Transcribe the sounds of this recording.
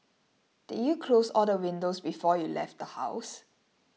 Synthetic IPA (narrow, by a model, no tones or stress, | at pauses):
d̥idjukʰlosɔldəwɪ̃ndosbifɔjulɛ̰ft̚dəha̰ʊs